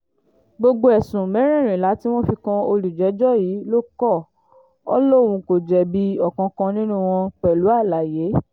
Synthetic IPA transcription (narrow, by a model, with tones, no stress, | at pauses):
ɡ͡bo˧ɡ͡bo˧ɛ˨sũ˨mɛ̃˨˦ɾ̃ɛ̃˦˨ɾ̃ĩ˨la˨˦ti˦w̃ɔ̃˦fi˧kã˧o˧li˨d͡ʒɛ˨˦d͡ʒɔ˦˨jiː˨˦lo˦kɔ˦˨ | ɔ̰˦lɔ˦˨w̃ũ˧ko˨d͡ʒɛ˨bi˧˦ɔ˦˨kã˧kã˧nĩ˦nũ˦˨w̃ɔ̃˧k͡pɛ˨lu˨˦a˦˨la˨je˨˦